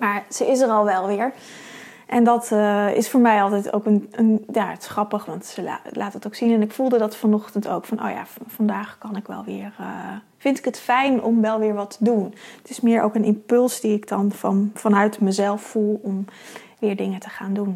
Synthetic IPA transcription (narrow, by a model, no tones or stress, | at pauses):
maːɹz̥əɪsərɑlˠʋɛlˠʋɪːɹ | ʔɛndɑtɪ̰sfoːɹmɛjɑlˠtɛjto̰wkənənjaətsχrɑpəχʋɑntsəla̰lʔaːtətoʊwksinɛnɪkfulˠdədɑtfɑnɔχtənto̰wkfɑnʔo̰wja̰ːffɑndaːχkɑnɪkʋɛ̰lˠʋɪːɹə | fɪntɪ̥kətfɛjnɔmʋɛlˠʋɪːɹʋɑtʰədunətɪsmɪːɹʔo̰wkənʔɪmpɵlˠsdiɪkdɑnfɑ̰nv̥ɑnœɥtməzɛlˠfːulˠɔm | ʋɪːɹdɪŋətəχaːndun